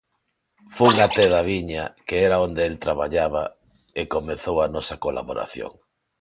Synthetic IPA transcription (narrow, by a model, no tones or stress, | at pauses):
fuuŋat̪eðaβiɲakeɛɾaond̪eelt̪ɾaβa̰ʎaβ̞a | ekomeθowanɔsakola̰βoɾa̰θjo̰ŋ